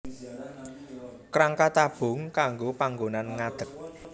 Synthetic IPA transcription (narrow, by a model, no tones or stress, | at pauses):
kɾaŋkat̪ab̥ʊ̤ŋkaŋɡopaŋɡonanŋad̪̥ə̤k̚